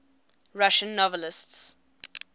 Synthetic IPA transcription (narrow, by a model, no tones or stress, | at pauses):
ɹaʃə̃nːɔvəlɪsts